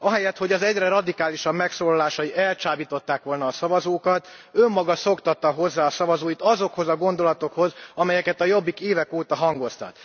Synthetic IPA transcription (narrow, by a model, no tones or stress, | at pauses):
ɒɦɛjɛt̪ho̞ɟɒzɛɟrɛɾɒd̪ikaːliʃɒbmɛksoːlɒlaːʃɒjiɛlt͡ʃaːbit̪o̞t̪ːaːkʋo̞lnɒːsɒvɒzoːkɒt̪ø̞mːɒɡɒso̞kt̪ɒt̪ːɒɦo̞zːaːsɒvɒzoːjit̪ɒzo̞kho̞zɒɡo̞nd̪o̞lɒt̪o̞kho̞zɒmɛjɛkɛt̪ɒjo̞bːikeːvɛkoːt̪ɒɦɒŋɡo̞st̪ɒ̰t̪